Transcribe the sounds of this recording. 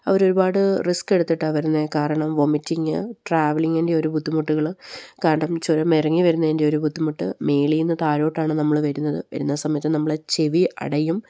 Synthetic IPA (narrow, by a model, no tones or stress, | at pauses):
ɐʋɐɾo̞ɾubaːɽɨriske̞ɽut̪ːiʈːɨʋɐɾunːekaːɾɐɳɐmʋomitːiŋːɨ̰ʈraːʋɐliŋːendeo̞ɾubʱud̪ːimuʈːuɣɐɭkaːɾɐɳɐmt͡ɕuɾɐmirɐŋːiʋɐɾunːɐendeo̞ɾubʱud̪ːimuʈːɨ̰me̞ːɭijinːɨt̪aːɾo̞ːʈːaːɳɨnɐmːɐɭʋɐɾunːɐðɨʋɐ̰ɾunːɐsɐmɐjɐt̪ːɨnɐmːɐɭet͡ɕe̞ʋiʔɐ̰ɽɐjum